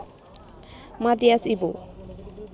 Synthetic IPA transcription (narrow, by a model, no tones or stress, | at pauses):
madiasibo